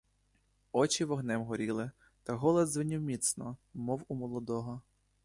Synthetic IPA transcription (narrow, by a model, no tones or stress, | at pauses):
ɔt͡ʃiʋɔɦnɛmɦɔɾʲilˠɪ | t̪ɐɦɔlˠɐd̪zʋɪnʲiwmʲit̪snɔmɔwumɔlˠɔd̪ɔɦɔ